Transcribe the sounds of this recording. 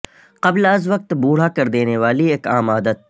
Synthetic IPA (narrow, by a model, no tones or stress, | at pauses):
qɐblɐzʋɐq̚t̪buːɽ̤akɐɾd̪eːneʋaːlieːkaːmaːd̪ət̪̚